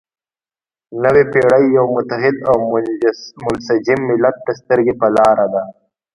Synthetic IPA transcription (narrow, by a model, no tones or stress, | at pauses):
nəwepeɽəjːawmʊt̪aɦɪd̪aw | mʊnsad͡ʒɪmːɪlːat̪̚ːast̪əɾɡepəlɑɾad̪a